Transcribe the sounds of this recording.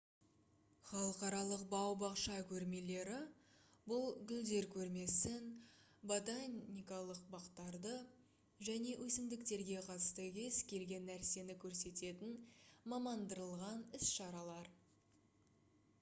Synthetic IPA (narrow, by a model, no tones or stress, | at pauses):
χɑlˠəqɑɾɑlˠəq̚bɑwbɑqʃɑkʲʰɵɾme̞le̞ɾɪ | bʊlˠɡʲʏld̪e̞ɾkʲʰɵɾme̞sɪn | bot̪anːijkɑlˠəq̚bɑqt̪ɑɾd̪ə | ʒæne̞wʔɵsɪmd̪ɪkt̪e̞ɾɡʲe̞qʰɑt̪st̪əkʲʰe̞skʲʰe̞lɡʲe̞nːæɾse̞nɪkʲʰɵɾse̞t̪e̞t̪ɪnmɑmɑnd̪əɾəlˠʁɑnɪsʃɑɾɑlˠɑɾ